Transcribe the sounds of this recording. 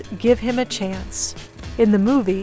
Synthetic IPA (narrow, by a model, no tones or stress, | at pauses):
ɡ̥ɪv̥ɨ̃mɨt͡ʃʰæ̃ns | ɨ̃nðɨmuvi